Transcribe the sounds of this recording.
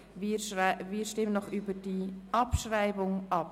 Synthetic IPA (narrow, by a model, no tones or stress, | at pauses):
vʃviːɾʃtɪmənɔχybədiɑpʃɾaɪbʊŋɑp̚